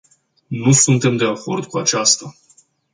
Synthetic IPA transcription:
nusunt̪e̞md̪e̞ako̞rd̪kuat͡ʃast̪a

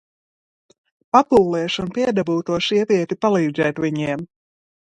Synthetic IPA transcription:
papulˠːɛːʃunpiɛd̪abuːt̪uɔsiɛvʲiɛt̪ipalˠiːd̪zɛːt̪vʲiɲiɛm

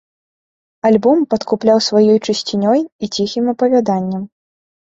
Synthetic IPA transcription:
alʲbɔmpɐt̪kuplʲawsvajɔjt͡ʂɨsʲt͡sʲinʲɔjit͡sʲixʲimɐpɐvʲad̪anʲːɐm

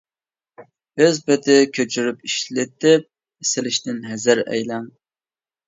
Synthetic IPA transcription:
øzbɪt̪ɪkʲʰøt͡ʃʰyɾypiʃlɪt̪ɪp̚ | ɪsɪlɪʃt̪ɪnɦɛzɪɾɛ̰jlæŋ

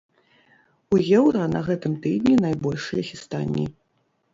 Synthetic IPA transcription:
ujɛwɾanɐɣɛt̪ɨmt̪ɨd̪nʲinajbɔlʲʂɨjɐxʲist̪a̰nʲːḭ

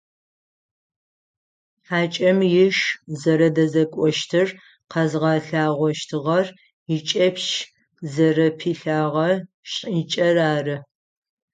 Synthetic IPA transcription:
ħaːt͡ʃʼɐmjɪʃzɐɾɐdɐzɐkʷʼɔʃtʰɨr | qʰɐzʁɑːɬaːʁʷɔʃtʰɨʁɐr | jɪt͡ʃʼɐpʃ | zɐrɐpʰiːɬaːʁɐ | ɕʼit͡ʃʼɐraːrɨ

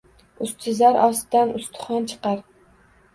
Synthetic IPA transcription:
ʊst̪ʰɪzaɾʔɒsd̪anʊst̪ʰʊ̥χɒnt͡ʃʰɨ̥qɑɾ

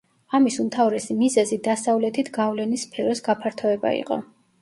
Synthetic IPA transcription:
amisumt̪ʰavɾɛsimizɛzid̪asavlɛt̪ʰit̪ʰɡavlɛnispʰɛɾɔsɡapʰaɾt̪ʰɔɛba̰ḭqʼɔ̰

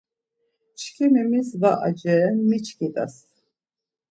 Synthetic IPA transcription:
t͡ʃkʰimɛmisvaʔa̰d͡ʒɛnmit͡ʃʰkʰit̪ʼa̰s

